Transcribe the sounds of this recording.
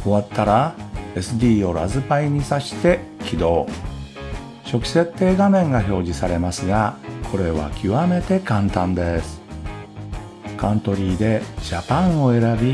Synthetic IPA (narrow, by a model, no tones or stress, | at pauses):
o̞βat̪ːaɾae̞sɨd̪ʲiːo̞ɾazɨpaiɲ̟isaɕi̥t̪e̞ | kʲid̪o̞ː | ɕo̞kʲi̥se̞t̪ːe̞ːɡamẽ̞ŋɡaço̞ːʑisaɾe̞masɨɡakʰo̞ɾe̞βa̰kʲiβame̞t̪e̞kãnt̪ãnd̪e̞sɨ̥ | kãnt̪o̞ɾʲiːd̪e̞ɕapãɰ̃o̞e̞ɾabʲi